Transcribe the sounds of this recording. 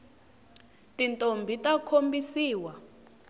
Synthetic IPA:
tʼintʼombʱitʼakʰombisiːwa

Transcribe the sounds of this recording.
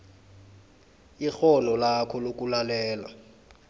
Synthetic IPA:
ixɔnɔlakʰɔlok̬ʼulalɛːla̰

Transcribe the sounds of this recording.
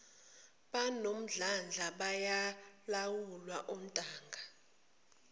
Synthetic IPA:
ɓanom̩ɮand͡ɮʱaɓajalawulwaʔom̩tʼaːŋɡʱa

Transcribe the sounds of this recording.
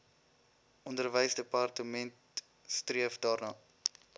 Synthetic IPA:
ʔɔndərvəjsdəpɑrtəmɛnt | striəfdɑːrnɑː

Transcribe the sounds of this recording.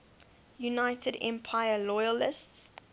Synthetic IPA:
junaɪtʰədɛ̰̃mpʰaɪəlɔjəlɪsts

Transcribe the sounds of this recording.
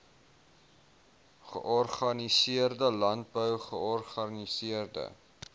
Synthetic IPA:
χə̰ʔɔrχɐnisiərdəlɐnt̚bəwχəɔrχɐnisiərdə̰

